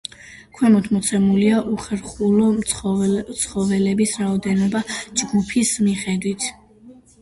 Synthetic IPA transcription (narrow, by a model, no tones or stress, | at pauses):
kʰwɛmɔt̪ʰmɔt̪sʰɛmuliaʔuχɛɾχulɔɔt̪sʰχɔvɛlɛbisɾaɔd̪ɛnɔbad͡ʒɡupʰismiχɛd̪wit̪ʰ